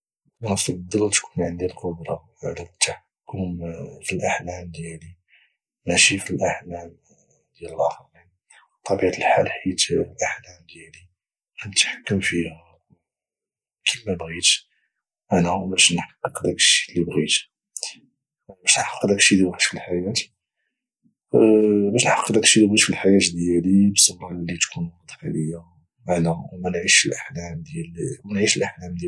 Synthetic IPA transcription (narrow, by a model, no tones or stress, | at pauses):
nəsəbd̪ɑlt̪kunʕənd̪ilkʊbɾˤɑ | ʕlæt̪ːaħakːʊmfilʔaħlæmd̪jæli | mæʃifilʔaħlæm | d̪jæləlʕɑxəɾin | t̪ˤːɑbiʕat̪əlħalħit̪lʔaħlæmd̪jæli | xænət̪ħḁkːəmfihæ | kʰəlmæbɣit̪ | ʔænæbæʃnħɑ̥qːəqd̪ækə̥ʃːi̥lːibɣit̪ | bæʃnħɑ̥qːəd̪ækʃid̪ħt̪fəlħajæt̪ | bæʃnħɑqːəd̪ækʃid̪ibɣitfəlħajæt̪d̪jælibsˤːoɾˤɑlːit̪kʰunwɑd̪ˤħaləjːa | aʕlæwmænʕiʃəlʔaħlæmd̪jlnʕiʃəlʔaħlæmd̪jæ